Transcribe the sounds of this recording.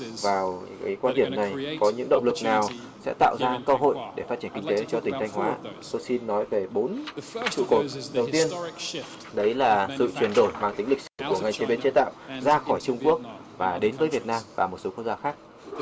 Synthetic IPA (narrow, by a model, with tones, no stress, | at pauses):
vaː˨˩wka̰˨˦jkwaː˧nɗi˧˩əmna˨˩jkɔ˨˦ɲɨ̰˧˥ŋɗə̰˧˨wŋ͡mlɨ˨˩k̚naː˨˩w | sɛ̰˧˥t̪a̰ː˧˨wzaː˧kə˧ɦo̰˧˨jɗe˧˩faː˦˥t͡ɕi˧˩ə˨ŋkï˧ŋ̟t̪e˨˦t͡ɕɔ˧t̪ï˨˩ŋ̟t̪ʰjŋ̟hwaː˨˦t̪o˧jsi˧nːɔ˨˦jve˨˩ɓo˨˦nt͡ɕɨ̰˧˨ko˨˩t̚ɗə˨˩wt̪i˧ən | ɗə˨˦jlaː˨˩sɨ̰˧˨t͡ɕwi˨˩ənɗo˧˩jmaː˧ŋt̪ï˨˦ŋ̟lï˨˩k̚sɨ˧˩ku˧˩əŋa˨˩jt͡ɕe˧˩ɓe˧nt͡ɕe˨˦t̪a̰ː˧˨wzaː˧xɔ˧˩jt͡ɕʊ˧ŋ͡mku˦˥ək̚vaː˨˩ɗe˨˦nvəː˨˦jvi˨˩ət̚naː˧mvaː˨˩mo˨˩t̚so˨˦kwk̚zaː˧˩xaː˦˥k̚